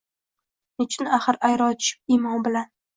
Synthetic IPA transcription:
net͡ʃʰɪnaχɨɾajɾɒt͡ʃʰʃɪ̥p̚imɒmbɪlan

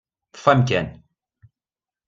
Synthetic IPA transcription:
ə̥fæmkæn

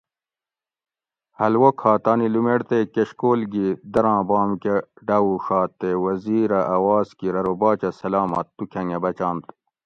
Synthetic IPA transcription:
hɐlwokʰhaːt̪aːnilumeɽt̪ekeɕkoːlɡid̪ɐɾãːbaːmkeɖɐːwuʂaːt̪ːewɐziːɾɐʔɐwaːzkiɾɐɾobaːt͡ɕɐsɐlaːmɐ̰t̪ːukʰɐ̃ŋɡebɐt͡ɕaːnt̪

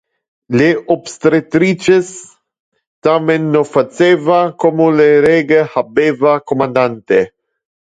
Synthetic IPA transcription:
leʔobst̪ɾet̪ɾit͡ʃes | t̪amenːofat͡sevakomoleɾeɡehabevakomand̪ant̪e

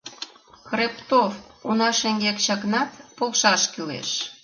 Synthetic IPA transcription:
krept̪ofunɑʃeŋɡekt͡ɕɑknɑt̪polʃɑʃkylḛʃ

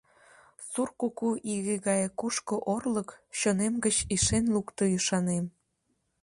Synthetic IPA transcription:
surkukuʔiɣeɣɑjekuʃkŏʔorləkɕonemɡət͡ɕiʃenlukt̪ojyʃɑnem

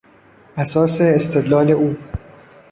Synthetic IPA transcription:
ʔæsɒːseːst̪ʰe̞d̪lɒːle̞ʔuː

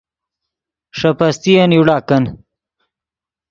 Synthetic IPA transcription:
ʂɐpɐst̪ijɐnjuɽaːkɐn

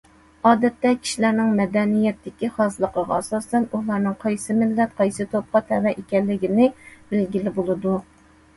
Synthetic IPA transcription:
ɑːd̪ɛt̪ːɛkʲʰi̥ʃilæɾnɪŋmɛd̪ɛnijɛt̪ːɪkʲiχɑzɨlˠəqəʁɑɑsɑst̪ɛnulˠɑɾnɨŋqʰɑjsɨmɪlːɛt̪qʰɑjsɨt̪ʰop̚qɑt̪ʰɛvɛʔekʲɛlːɪɡʲinɪb̥ɪlɡʲilɪbolˠɨd̪u

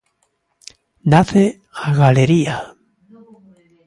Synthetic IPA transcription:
naθe | aɣaleɾia

